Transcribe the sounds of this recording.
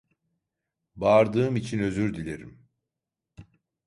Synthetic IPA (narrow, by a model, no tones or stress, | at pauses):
baːɾd̪ɯːmit͡ʃʰinø̞zyɾd̪ilʲe̞ɾḭm